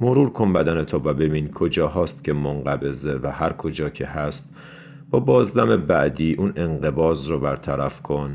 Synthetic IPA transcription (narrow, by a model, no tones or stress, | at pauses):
moɾuːɾkʰombæd̪ænet̪ʰɔːvæbe̞biːnkʰod͡ʒɒːɦɒːst̪cʲʰe̞moŋɢæbe̞ze̞væhæɾkʰo̞d͡ʒɒːcʰe̞hæst̪ | b̥ɒːbɒːzd̪æmebæʔd̪iːʔunʔe̞ŋɢebɒːzrɔbæɾt̪ʰæɾæfkʰon